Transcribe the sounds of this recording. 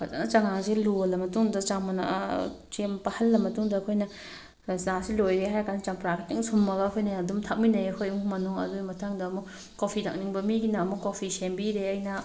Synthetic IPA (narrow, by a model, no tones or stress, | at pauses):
kʰata̰nɐt͡ʃaŋaŋselulɐmɐtuŋdɐt͡ʃaŋmɐna̰ʔt͡ʃempɐhɐlːɐmɐtuŋdɐːkʰojnɐ | sasilojɾeɦajɐkʰanɐt͡ʃaŋpɾakʰatiŋsumːɐɡɐːkʰojnɐdumtʰak̚minɐjɐkʰojmumɐnuŋɐ̰duɡimɐtʰaŋdɐːmu | kopʰitʰak̚niŋbɐmiɡinamukopʰisembiɾeɐjnɐ